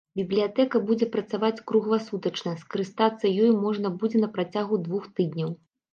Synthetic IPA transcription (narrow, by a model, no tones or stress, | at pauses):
bʲiblʲijat̪ɛkɐbud͡zʲɛpɾɐt̪savat͡sʲkɾuɣvasut̪ɐt͡ʂnɐskɐɾɨst̪at̪sːɐjɔjmɔʐnɐbud͡zʲɛnɐpɾat͡sʲaɣud̪vuxt̪ɨd̪ʲnʲɐw